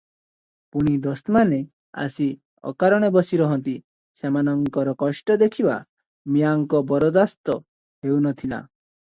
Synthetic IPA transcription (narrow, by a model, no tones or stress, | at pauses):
puɽ̃id̪ɔst̪mane | a̰si | ɔ̰kaɾɔɽ̃ebɔsiɾɔɦɔnt̪i | semanɔŋkɔɾɔkɔʃʈɔd̪ekʰiba̰ | mijaŋkɔbɔɾɔd̪ast̪ɔ | ɦewnɔt̪ʰila̰